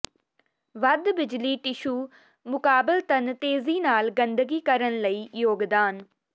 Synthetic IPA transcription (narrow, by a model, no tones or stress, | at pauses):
ʋəd̪bɪd͡ʒliːʈɪʃuː | mʊkaːbɪlt̪ənt̪eːziːnaːlɡənd̪əɡiːkəɾənləiːjoːɡd̪aːn